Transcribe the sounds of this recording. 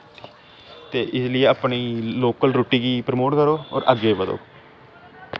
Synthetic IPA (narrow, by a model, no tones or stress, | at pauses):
t̪eːʔɪslɪeːaːpɳiːloːkəlɾoːʈiːɡiːpɾəmoːʈkəɾoːɔ̰ːɾʔəɡeːbəd̪o̰ː